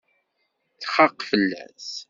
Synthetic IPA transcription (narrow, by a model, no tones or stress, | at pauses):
θχɑqːfəlːæ̰s